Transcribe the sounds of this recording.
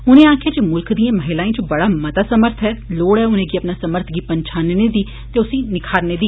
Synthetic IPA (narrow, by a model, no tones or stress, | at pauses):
ʊnẽːãːkʰjeaːd͡ʒeːmʊlkd̪iãːməɦɪlaːẽːt͡ʃobəɽaːmət̪aːsəməɾt̪ʰɦɛːloːɽɦɛːʊnẽːɡiəpnaːsəməɾt̪ʰɡiːpəɲt͡ʃʰaːnːneːd̪iː | t̪eːʊsĩːnɪkʰaːɾneːd̪iː